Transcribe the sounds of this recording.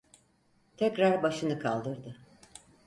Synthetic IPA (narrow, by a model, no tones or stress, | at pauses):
t̪ʰɛcɾaɾbaʃɯnɯkʰa̰lˠd̪ɯɾd̪ɯ